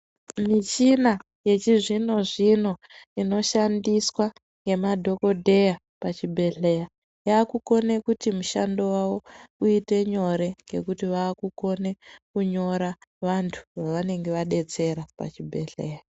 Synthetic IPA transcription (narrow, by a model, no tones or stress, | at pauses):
mit͡ʃina | je̞t͡ʃiʐino̞ʐino̞ | ino̞ʃandiswa | ŋɡe̞madʱo̞ko̞dʱe̞ja | pat͡ʃibʱe̞ɮe̞ja | jaːkuko̞ne̞kutimuʃa̰ndo̞wawouite̞ɲo̞ɾe̞ŋɡe̞kutiʋaːkuko̞ne̞kuɲo̞ɾaʋantʰu̥ʋaʋane̞ŋɡe̞ʋaɗe̞t͡se̞ɾapa̰t͡ʃibʱe̞̰ɮe̞̰ːja